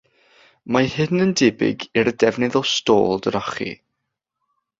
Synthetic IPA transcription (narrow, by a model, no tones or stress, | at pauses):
mahɪnəndɪbɪ̰ɡiɾədɛvnɪðɔsto̰ːlˠdəɾaχḭ